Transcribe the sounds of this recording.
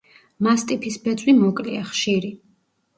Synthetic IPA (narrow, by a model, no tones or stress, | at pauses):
mast̪ʼipʰisbɛt̪sʼwimɔkʼliaχʃiɾi